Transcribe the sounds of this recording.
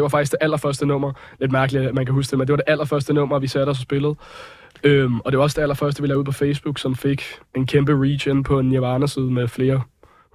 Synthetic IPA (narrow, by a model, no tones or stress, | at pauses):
d̥e̝ʋɑ̈fɑ̈ɡ̥isɡ̥d̥e̝ʔæl̰ɐfɶɐsd̥ənɔ̽m̰ɐle̝d̥mæɐɡ̥əliæmænkʰæhusd̥emend̥e̝ʋɑd̥e̝ʔæl̰ɐfɶɐsd̥ənɔ̽m̰ɐʋisæɾ̥ɒsɒsb̥e̝ləð̞̩ˠ | ømɒ̽d̥e̝ʋɑ̈ɒ̽səd̥e̝æl̰ɐfɶɐsd̥əʋilæːuð̰ˠpʰɒ̽feɪsb̥uɡ̥sɒ̽mfe̝ɡ̥e̝nkʰemb̥əʁḭɕen̩pʰɒ̽e̝njeʋɑ̈ːnəsiːð̞ˠmefle̝ːɐ